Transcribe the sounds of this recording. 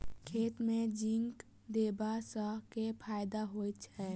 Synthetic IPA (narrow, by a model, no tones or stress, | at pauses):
kʰeːt̪mẽd͡ʒɪŋk | d̪eːbasəkepʰaːjd̪aɦoːit͡ʃɛː